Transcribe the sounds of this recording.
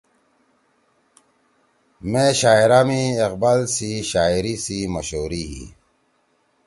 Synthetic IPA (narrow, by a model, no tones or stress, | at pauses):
mẽːɕaːiɾaːmiːqbaːlsiɕaːiɾisiːməɕɦoːɾiɦḭ